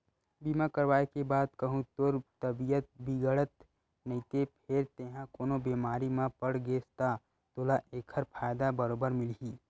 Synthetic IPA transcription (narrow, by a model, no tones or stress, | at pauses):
biːmãkəɾʋaːekebaːd̪kəɦũt̪oɾt̪əbijət̪̚biɡəɽət̪ | nəĩt̪epʰɪɾt̪eːɦãkoːnobeːmaːɾimãpəɽɡest̪a | t̪oːlaʔeːkʰəɾpʰaːjd̪abəɾoːbəɾmɪlɦiː